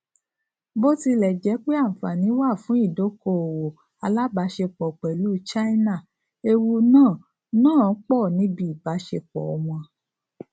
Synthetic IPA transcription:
bo˦ti˧lɛ˨d͡ʒɛ˨˦k͡pe˦ã˦˨fa˨nĩ˨˦wa˦˨fũ˨˦i˦˨do˨˦ko˧˨o˨wo˨ | a˧la˦ba˨˧˦ʃe˧k͡pɔ˨k͡pɛ˨lu˨˦t͡ʃa˦i˦na˦˨ | e˧wu˧nãː˦˨ | nãː˦˨˦k͡pɔ˦˨nĩ˨˦bi˦i˨ba˨˦ʃe˧k͡pɔ̰˨ɔ˧w̃ɔ̃˧

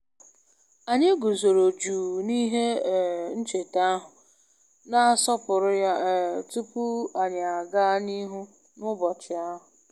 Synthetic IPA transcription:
a˨ɲe˦ɡu˨zo˨ɾo˨d͡ʒu˨ni˦ɦe˦˨n̩˦t͡ʃe˨ta˦ɦʊ˨ | na˦sɔ˦pʊ˨ɾʊ˦ja˦˨tu˦pu˦a˨ɲa˨a˨ɡa˦ni˦ɦu˦ | nʊ˦bɔ˨t͡ʃɪ˨a˦ɦʊ˨

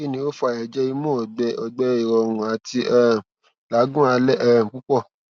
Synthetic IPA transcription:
i˦˨nĩ˧˦o˦fu˦a˨ɛ˨d͡ʒɛ˧i˧mɔ̃˦ɔ˨ɡ͡bɛ˧ɔ˨ɡ͡bɛ˧i˨ɾɔ˨ɾũ˨a˨ti˧˦ɛ˦ | la˨˦ɡũ˦a˧lɛ˦ɛ˦˨k͡pu˦k͡pɔ˦˨

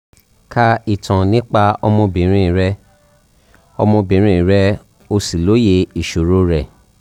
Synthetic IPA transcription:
ka˧i˨tʰã˨nĩ˦k͡pa˦ɔ̰˧mɔ̃˧bĩ˨˦ɾ̃ĩ˦˨ɾɛ˧ | ɔ̰˧mɔ̃˧bĩ˨˦ɾ̃ĩ˦i˨ɾɛ˧˦ | o˧si˨lo˨˦je˧i˨ʃo˨ɾo˨˦ɾɛ˨

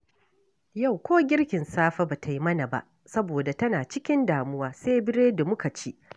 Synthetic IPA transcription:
ja˦˨wkʷoː˦ɡʲɪ˦ɽkʲɪ˨nsaː˦ɸa˦ba˨tʰa˨ji˦mɐ˦na˨ba̰˦˨ʔ | sɐ˦boː˨da˨tɐ˦naː˨t͡ʃɪ˦kʲɪ˦ndaː˨mʊ˦waː˦seː˦jbɪ˦ɾeː˦da˨mʊ˦ka˨t͡ʃi˦ʔ

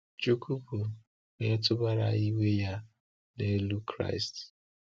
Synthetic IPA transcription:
t͡ʃu˦kʰu˦pu˨ | ne˦ɔ˦tʊ˦ba˦ɾa̰˨i˦we˦ja˦ | ne˦lu˦kʰɾa̰˦ɪ˨st

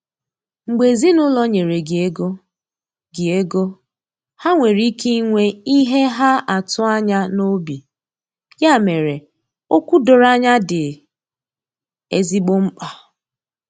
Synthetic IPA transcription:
ŋ͡m̩˨ɡ͡be˨zi˦nʊ˦lɔ˦ɲe˨ɾe˨ɡɪ˨e˦ɡo˦ | ɡɪ˨e˦ɡo˦ | ha˦ŋʷe˨ɾi˦kʰi˦i˦ŋʷe˦i˦ɦe˦ɦa˦ʔa˨tʊ˦a˦ɲa˦no˦bi˨ | ja˦˨me˨ɾe˨ | o˦kʷu˦dʊ˨ɾa˦ɲa˦dɪ˨ | e˦zi˦ɡ͡bo˦ŋ͡m̩˦k͡pa˨

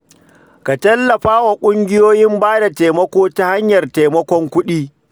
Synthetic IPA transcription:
ka˨tɐ˦lːɐ˨ɸaː˦wa˨kʷʼʊ˦ŋɡʲɪ˦joː˦jɪ˦mbaː˦da˨teː˨mɐ˦kʷoː˦ta˦ha˦ɲjɐ˨rte˨mɐ˦kʷɔ˦ŋkʷʊ˦ɗiː˦

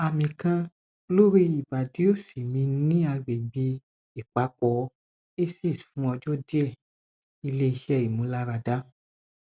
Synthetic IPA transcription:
a˨mĩ˨kã˧ | lo˦ɾi˦i˨ba˨di˨˦o˦˨si˨mĩ˧nĩ˦a˧ɡ͡be˨ɡ͡be˧ | e˨k͡pa˨˦kɔ˨˦ | e˦si˦˨sfũ˨˦ɔ˧d͡ʒɔ˦di˦ɛ˦˨ | i˧le˦i˧ʃɛ˦˨i˨mũ˨˦la˦ɾa˧da˦

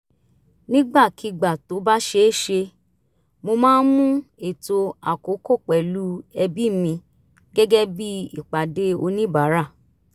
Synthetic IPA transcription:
nĩ˦ɡ͡ba˦˨ki˨˦ɡ͡ba˨to˨˦ba˦ʃe˧˦ʃe˧ | mo˧mãː˦n̩˦mũ˦e˦˨to˧a˨ko˨˦ko˦˨k͡pɛ˨lu˨˦ɛ˧bi˦˨mĩ˧ | ɡɛ˦ɡɛ˦bi˦i˦˨k͡pa˨de˦o˧nĩ˦ba˨˦ɾa˦˨

